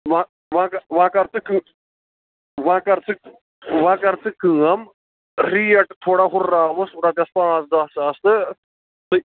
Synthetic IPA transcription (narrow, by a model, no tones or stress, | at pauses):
ʋã | ʋãːkɐʋãːkɐɾt͡sɨkɨ | ʋãːkɐɾt͡sʰɨ | ʋãːkɐɾt͡sʰɨkɨ̃ːɐm | ɾiːɐʈt̪ʰːoːɽaːɦʊɾːaːʋɐsʊɾãːt̪̬jaspãːsd̪aːsaːst̪ɨ | t̪ɨ